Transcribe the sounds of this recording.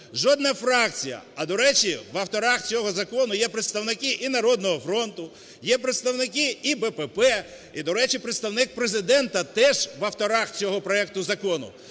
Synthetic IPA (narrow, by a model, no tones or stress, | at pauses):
ʒɔd̪nɐfɾɑk̚t͡sʲijɐ̰ɐd̪ɔɾɛt͡ʃiʋɐwt̪ɔɾɑxt͡sʲɔɦɔzɐkɔnʊjɛpɾɪt̪st̪ɐwnɪkɪʔinɐɾɔd̪nɔɦɔfɾɔnt̪ʊ | jɛpɾet̪st̪ɐwnɪk̬ɪibɛpɛpɛ | id̪ɔɾɛt͡ʃipɾet̪st̪ɐwnɪk̚pɾezɪd̪ɛnt̪ɐt̪ɛʒʋɐwt̪ɔɾɑxt͡sʲɔɦɔpɾɔɛk̚t̪ʊzɐkɔnʊ̰